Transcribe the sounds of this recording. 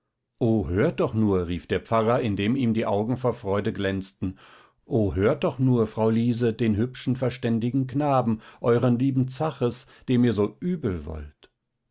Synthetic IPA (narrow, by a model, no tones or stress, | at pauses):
ʔoːɦøːɐt̚d̥ɔχnuːɐʁiːfd̥eːɐp͡faʁɐɪndeːmiːmdiːʔaʊɡŋ̩foːɐfʁ̥ɔʏdəɡlɛnt͡stn̩ | ʔoːɦøːɐt̚d̥ɔχnuːɐfʁ̥aʊliːzədeːnɦʏpʃn̩fɛɐʃtɛndɪɡŋ̩knaːbm̩ʔɔʏʁənliːbm̩t͡saχəs | d̥eːmiːɐzoːʔyːbl̩vɔ̰lt